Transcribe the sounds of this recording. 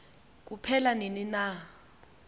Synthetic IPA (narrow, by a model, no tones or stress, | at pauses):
k̬ʼupʰɛlaninina